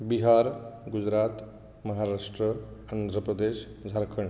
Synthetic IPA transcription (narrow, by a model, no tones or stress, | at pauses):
biɦaɾɡud͡zɾat̪ | mʌɦaɾasʈrʌand̪ʱɾəpɾəd̪esd͡zʱaɾkʰəɳ